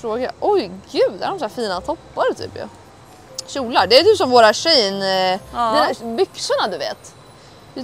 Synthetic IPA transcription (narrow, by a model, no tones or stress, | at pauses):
fɾoːɡaja̰ʔɔjɡʉ̟ːd̪ɛhæɾɖɔmsæːɾfiːnat̪ʰɔpːaɾət̪ʰy̰ːpjɑ̰ | ɕuːlaɖɛæt̪ʰyːpsɔmvoːɾaɕɛjnd̪ɛæbʏksʊɳad̪ɵvḛːt̪